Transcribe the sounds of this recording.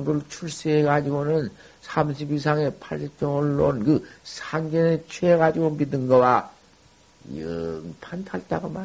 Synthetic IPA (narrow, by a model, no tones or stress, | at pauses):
ŋɯɭt͡ɕʰuɭs͈ieɡad͡ʑiɡonɯn | sʰamɕʰibis̬ʰaŋe̞pʰaɭsʰet͡ɕ͈ʌŋʌɭːonkɯsʰaŋd͡ʑʌnet͡ɕʰweːɣad͡ʑiɡombidɯnɡʌwa | ɯŋpʰantʰaɭt͈aɡoma